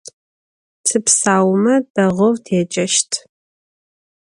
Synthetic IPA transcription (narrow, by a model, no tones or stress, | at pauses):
tʰɨpsaːwmɐdɐʁɐwtʰeːt͡ʃʼɐʃtʰ